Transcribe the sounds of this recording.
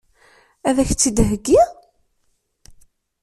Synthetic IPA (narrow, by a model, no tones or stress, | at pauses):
æðæçt͡sːid̪ɦəɡːi